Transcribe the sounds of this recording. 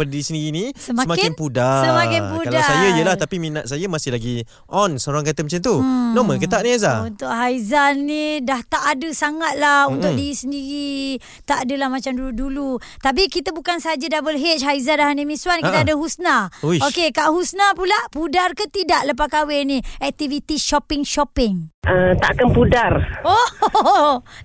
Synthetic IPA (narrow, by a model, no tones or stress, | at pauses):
pədiisəndiɾinisəmsaəmakɪɪnpudasəmakkɪnpukaldaajajəlaht̪apimĩnat̪̚sajamasɪhlaɡi | ʔɔnsəoɾaŋkat̪əmat͡ʃant̪unɔmə̃nkət̪aʔniazaunt̪ʊʔ̚ɦaizanːidaht̪aʔadəsaŋat̪̚lahunt̪ʊdiɾisəndiɾi | t̪aʔadəlahmat͡ʃamduludulu | t̪ap̬ikit̪əbukansəɦad͡ʒadabəlɦet͡ʃɦaizandaɦanəmĩswankit̪aadəɦusnauokekaʔɦusnapulaʔpudarkət̪idaʔləp̬akawɛnĩɛk̚t̪ivit̪iʃɔpɪŋʃɔpɪŋʔət̪a̰ʔkanpudaro